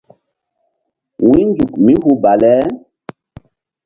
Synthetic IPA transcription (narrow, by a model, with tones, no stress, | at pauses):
wĩ˦nd͡ʒu˨kmi˦ɦu˦ba˨lɛ˦